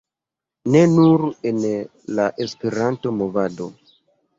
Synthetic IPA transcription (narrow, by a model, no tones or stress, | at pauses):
ne̞nuɾe̞n | laʔespe̞ɾanto̞mo̞vado̞